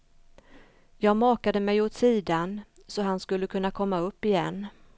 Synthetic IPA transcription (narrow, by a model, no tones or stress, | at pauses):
jɑːɡmɑːkad̪əmɛjoːt̪siːd̪an | sɔɦanskɵlːəkʰɵnːakʰɔmːaɵpːɪjɛnː